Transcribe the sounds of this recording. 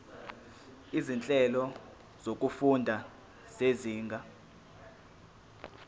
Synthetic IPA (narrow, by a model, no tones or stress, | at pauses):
izint͡ɬʼɛlɔ | z̥ok̬ʼufundʱa | seziːŋɡʱa